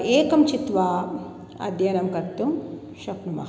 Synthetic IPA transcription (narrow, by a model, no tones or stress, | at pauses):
eːkɐmt͡ʃit̪ʋa | ɐ̰d̪ʱjɐnɐmkɐɾt̪um | ʃɐpnumɐ̰